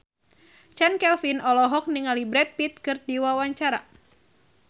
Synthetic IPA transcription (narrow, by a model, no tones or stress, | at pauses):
t͡ʃankɛlfinɔlɔɦɔk̚niŋalibɾɛt̪̚pit̪̚kɨrdiwawaɲt͡ʃaɾa̰